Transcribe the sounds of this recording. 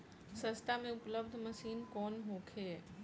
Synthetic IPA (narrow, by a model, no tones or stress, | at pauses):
sɐst̪ʰamẽʊpləb̚d̪ʱmɐsiːnkɔːnɦoːkʰeː